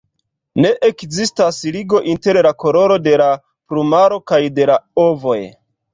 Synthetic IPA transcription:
ne̞ʔekzistasliɡo̞ʔinte̞ɾlako̞lo̞ɾo̞de̞la | pɾumaɾo̞kajde̞laovo̞j

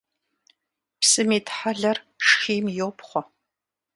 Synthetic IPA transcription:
psɨmiːtʰħaɮɐrʂxiːmjoːpχʷɔ

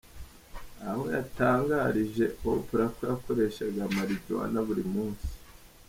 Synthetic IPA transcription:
aho̞ja̰taːŋɡaɾiʒe̞opuɾakuɾako̞ɾe̞ʃaɡamaɾiɟɟo̰a̰naβuɾimuːnsi̥

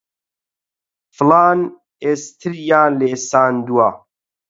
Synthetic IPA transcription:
flaːn | eːst̪ʰɨɾjaːleːsaːnd̪ua

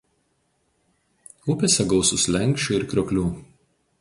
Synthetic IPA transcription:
ʊpʲesʲɛɡɒʊsʊslʲɛŋʲkʲʃʲt͡ʃʲuːɪɾkɾʲoɔkʲlʲuː

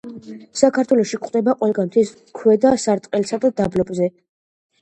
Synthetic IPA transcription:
sakʰaɾt̪ʰwɛlɔʃikʼχʼd̪ɛbaqʼwɛlɡanmt̪ʰɛs | kʰwɛd̪asaɾt̪ʼqʼɛlsad̪ad̪ablɔbʼzɛ

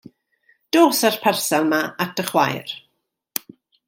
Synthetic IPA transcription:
d̥oːsarpʰɛrsalˠmaatʰəχwa̰jr

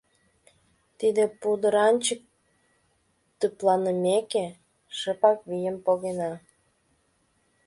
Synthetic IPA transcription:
t̪id̪epud̪əɾɑnʲt͡ɕək̚ | t̪əplɑnəmeke | ʃəpɑkβijəmpoɣenɑ

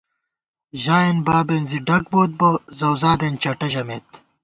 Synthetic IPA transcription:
ʑaːenbaːbenziɖɐk̚boːt̪̚bɐzɐwzaːd̪ent͡ɕɐʈɐʑɐmeːt̪̚

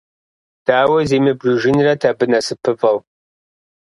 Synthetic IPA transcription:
d̥aːwɐzeːmɨbrɨʒɪnrɐtʰabɨnɐsɨpʰɨvɐw

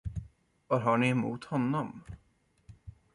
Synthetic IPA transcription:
vaɾɦaɳɪɛmuːt̪hɔnːɔm

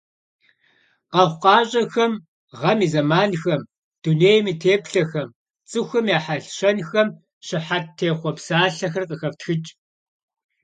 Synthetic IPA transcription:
qɐʁʷqɑːɕʼɐxɐm | ʁɐmiːzɐmaːnxɐm | d̥uneːjmiːtʰeːpɬɐxɐm | t͡sʼɨxʷɐmjaːħaɬɕɐnxɐm | ɕɪħat̚tʰeːχʷɔpsaːɬɐxɐrqʼəxɐftxɨt͡ʃʼ

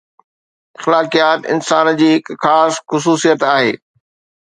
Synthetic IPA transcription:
ɪxlaːkijaːt̪ɪ̰nsaːnd͡ʑiːɦɪkxaːsxʊs̬uːsijət̪aːɦeː

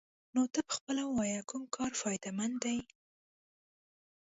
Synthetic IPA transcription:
not̪əpə̥xpəlawwɑjakumkʰɑɾfɑjd̪amand̪aj

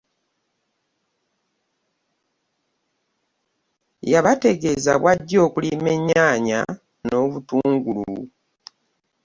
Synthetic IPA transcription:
jaβate̞ɡe̞za̰βwaɟːo̞ːkulime̞ɲːaːɲa̰ | no̞ːβutuːŋɡulu

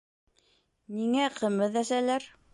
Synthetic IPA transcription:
niŋæqʰɤ̆mɘðæsælæɾ

